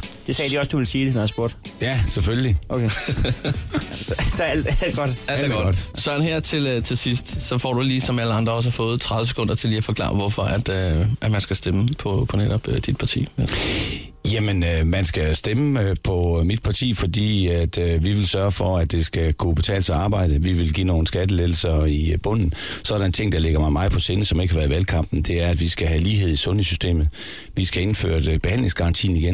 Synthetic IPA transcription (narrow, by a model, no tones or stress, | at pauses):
d̥e̝sɛːd̥iɒsd̥uʋe̝lsiːd̥enæsb̥o̝ɐd̥jæsefølliokʰe | sælɡ̥ɒ̥ældɡ̥ɒd̥sɶɐ̰nɦeɐ̰t͡sʰe̝lt͡sʰe̝sisd̥sɒ̽fɒ̰ːd̥uliːsɒ̽mælɐɑ̈nd̥ʁɐɒ̽s̬hɑfɔ̽ːð̞̩ˠt͡sʰʁɑ̈ðʋəs̬e̥kʰɔ̽n̰d̥ɐt͡sʰe̝ljɑfɒ̽klɑ̰̈ːʋɒfɒ̽ʔæd̥øʔæd̥mænsɡ̥æsd̥eməpʰɒ̽pʰɒ̽neɾ̥ɒb̥ød̥id̥̚pʰɑ̈t͡sʰḭːe | jæmənømænsɡ̥æsd̥eməpʰɒ̽mid̥̚pʰɑ̈t͡sʰḭːfɒd̥ḭːæd̥øʋiʋe̝lsɶɐfɒæd̥e̝sɡ̥ækʰub̥e̝t͡sʰɛ̰ːləseɑ̈ːb̥ɑ̈ɪ̰d̥əʋiʋe̝lɡ̥ḭːno̝ːn̩sɡ̥æd̥əleðl̩sɐib̥ɔ̽n̰n̩sɒɐdɑent͡sʰe̝ŋ̰d̥ɑ̈leɡ̥ɐmɑ̈ɪmɑ̈ɪð̩ˠpʰɒ̽se̝nəsɒ̽me̝ɡ̥əhɑʋæːɐðiʋælkʰɑ̈m̰b̥n̩d̥e̝æɐæd̥ʋisɡ̥æɦæliːɦe̝ð̞̰ˠisɔ̽nhḛsysd̥e̝̰ːmð̩ˠ | ʋisɡ̥æe̝nfø̰ːɐdb̥ehæn̰le̝ŋsɡ̥ɑ̈ʁɑ̈nt͡sʰḭːn̩iɡ̥en